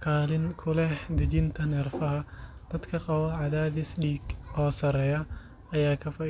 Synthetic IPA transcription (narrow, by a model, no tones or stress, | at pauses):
kʰaːlɪŋkʰʊlɛhd̪ɪt͡ʃɪnt̪ʰɐnɛrfɐɦɐ | d̪̥ɐd̪kʰɐqɑwɐʕɑðaːðɪsɖiːɡɔːsɐɾɛːjɐ | ɐjaːkʰɐfɐ